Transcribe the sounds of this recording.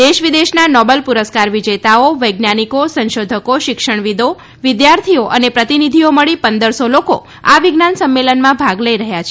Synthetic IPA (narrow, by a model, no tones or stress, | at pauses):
d̪eʃʋid̪eʃnanɔbəlpuɾəskaɾʋid͡ʒet̪aoʋəjɡnanikosə̃nʃod̪ʱəkoʃɪkʃəɳ̃ʋid̪o | ʋɪd̪jaɾt̪ʰioʔənepɾət̪inid̪ʱioməɭipənd̪əɾsoloko | aʋiɡnansəmːelənmãbʱaɡləjɾəɦjat͡ʃʰe